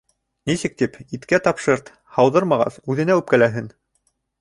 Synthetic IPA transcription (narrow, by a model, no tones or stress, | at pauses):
nisɘ̆k̚t̪ipit̪kæt̪ɑpʃɤɾt̪ | hɑwðɤɾmɑʁɑ̰θʉðɘ̆næʉp̚kælæɦɘn